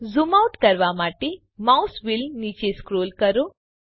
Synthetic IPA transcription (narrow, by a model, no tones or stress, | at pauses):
zumawʈkɐɾʋamaːʈe | mawsʋilniːt͡ʃeskɾoːlkɐɾo